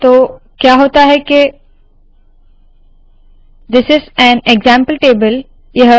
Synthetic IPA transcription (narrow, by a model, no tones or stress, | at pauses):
t̪oː | kjaːɦoːt̪aɦɛke | d̪ɪsɪzæ̃neɡzãmpəlʈeːbəl | jɐɦ